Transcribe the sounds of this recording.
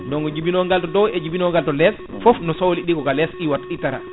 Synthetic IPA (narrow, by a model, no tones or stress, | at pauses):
ndɔŋɡɔd͡ʒibinɔŋɡaltɔdɔwɛd͡ʒibinɔŋɡaltɔlɛs | fɔfnɔsowliɗikɔkalɛsɗiwatːaitaɾa̰